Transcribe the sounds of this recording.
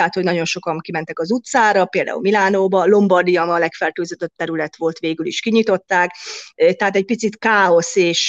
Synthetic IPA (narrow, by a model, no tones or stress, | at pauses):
at̪hoɟnɒɟo̞nʃo̞kɒŋkimɛnt̪ɛkɒzut̪saːɾɒpeːld̪a̰ṵlmilaːnoːbɒlo̞mbɒrd̪ijɒmɒlɛkfɛrt̪øːzød̪øp̚t̪ɛɾylɛt̪ʋo̞lt̪ʋeːɡylḭʃkiɲit̪o̞t̪ːaːkt̪ɛɦaːt̪ɛc̚pit̪sit̪kaːo̞seːʃ